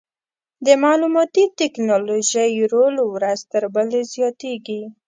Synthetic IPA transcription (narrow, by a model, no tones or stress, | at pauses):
d̪əmɑlumɑt̪it̪ɛknɑloʒəjɾolowɾazt̪əɾbəlezjɑt̪eɡi